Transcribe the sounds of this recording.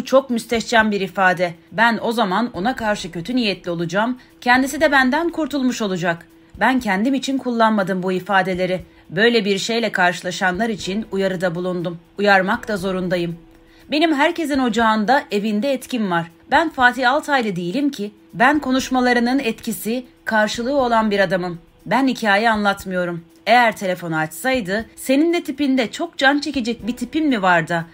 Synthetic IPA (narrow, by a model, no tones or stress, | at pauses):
t͡ʃʰo̞kmyst̪ɛʃt͡ʃæmbiɾifaːd̪ɛbæno̞zamano̞nakaɾʃɯcʰø̞t̪ʰynijɛt̪lʲio̞lˠud͡ʒaːm | cʰɛnd̪isid̪ɛbænd̪ænkʰuɾt̪ʰulˠmuʃo̞lˠud͡ʒak | bæncʰɛnd̪imit͡ʃʰinkʰulˠːanmad̪ɯmbuifaːd̪e̞lʲe̞ɾɪ | bø̞jlʲɛbiɾʃe̞jlʲɛkʰaɾʃɯlˠaʃanlˠaɾit͡ʃʰinujaɾɯd̪abulˠund̪um | ujaɾmakt̪ˠazo̞ɾund̪ajɯm | be̞nimɦæɾce̞zino̞d͡ʒaːnd̪aʔe̞vind̪ɛːt̪cʰinvaɾ̥ | bænfaːt̪ʰiːalˠt̪ʰhajlɯd̪ijilʲimcʰi | bænkʰo̞nuʃmalˠaɾɯnɯnɛt̪cʰisi | kʰaɾʃɯlˠɯːo̞lˠanbiɾad̪amɯm | bænhicʰaːjianlˠat̪mɯjo̞ɾum | e̞jæɾt̪ʰe̞lʲe̞fo̞nat͡ʃsajd̪ɯse̞nind̪ɛt̪ʰipind̪ɛt͡ʃʰo̞k̚d͡ʒant͡ʃʰe̞ce̞d͡ʒɛc̚bit̪ʰipimːivaɾd̪ɯ